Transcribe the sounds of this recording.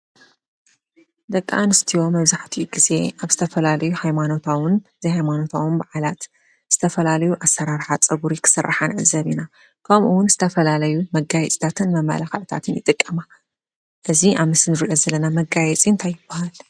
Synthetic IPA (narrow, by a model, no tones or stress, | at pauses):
d̪ɐkʼːa̰nɨst̪ʰiwo̞mɐβzaħt̪ʰiɡize̞ʔaβzɨt̪ʰɐfɐlalɐjuhajmano̞t̪ʰawɨnɨzihajmano̞t̪ʰawɨnbaʕalat̪ | z̥ɨt̪ʰɐfɐlalɐjuʔasːɐɾaɾħat͡sʼɐβuɾikʰɨ̥sɨrːaħanʕɨzɐβina | kʰɐmʔuwʊnzɨt̪ʰɐfɐlalɐjumɐɡajɛt͡sʼt̪ʰat̪ʰɨnmɐmːɐ̰laxɐʔt̪ʰa̰t̪ʰɨnjɨt̪ʼɨkʼːɐma | ʔɨziʔaβmɨsɨnɨɾiʔo̞zɐlɐnamɐɡajɛt͡sʼint̪ʰajɪb̥ːahal